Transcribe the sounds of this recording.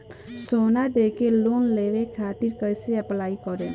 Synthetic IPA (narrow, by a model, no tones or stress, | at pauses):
sonaʈekelonleʋekʰat̪iɾkəjseɛplaikɔɾe